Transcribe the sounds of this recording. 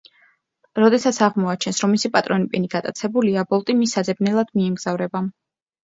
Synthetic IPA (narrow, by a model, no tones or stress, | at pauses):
ɾɔd̪ɛsat̪sʰaʁmɔat͡ʃʰɛnsɾɔmːisipʼat̪ʼɾɔnipʼiniɡ̥at̪ʼat̪sʰɛbuliabɔlˠt̪ʼimisad̪zɛbnɛlˠad̪̥miɛmɡz̥avɾɛba